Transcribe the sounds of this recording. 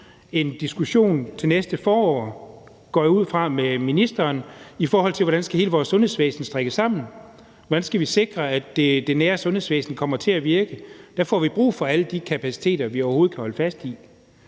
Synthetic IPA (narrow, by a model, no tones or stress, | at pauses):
e̝nd̥isɡ̥uɕo̝̰ːnt͡sʰe̝nesd̥əfɒːɒ̰ː | ɡ̥ɒ̰ːjuð̞̰ˠfʁɑ̈meminisd̥ɐːnifɒːɦɒl̰t͡sʰeʋɒɾænsɡ̥æhe̝ːləʋɒːsɔ̽nhe̝ðˠsʋḛːsn̩sd̥ʁeɡ̥əsɑ̈m̰n̩ | ʋɒ̽d̥ænsɡ̥æʋise̝ɡ̥ʁɐæd̥ed̥e̝næːɐsɔ̽nhe̝sʋḛːsn̩kʰɒ̽m̰ɐt͡sʰe̝læʋiɐɡ̥əd̥æfɒ̰ːʋib̥ʁṵːfɒ̽æləd̥ikʰæpʰæsi̥t͡sʰe̝̰ːd̥ɐʋiɒʊɐɦo̝ːð̞̩ˠkʰæhɒ̽ləfæsd̥i